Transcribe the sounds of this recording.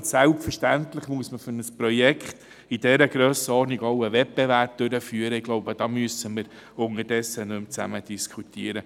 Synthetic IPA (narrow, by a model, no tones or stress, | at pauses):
sælptfərʃtænt̪lɪχmuəsməfʏɾnəsprɔjɛkχt̪ | id̥ɛɾəɡɾøːsəɔːɾniɡoʊəvɛp̚bɛværp̚d̪̥øɾəfyːəɾəɪɡ̥loʊbəd̥ɑːmyəsəməɾ | ʊŋədɛsːənɵmt͡sæməd̥iskχutiːəɾə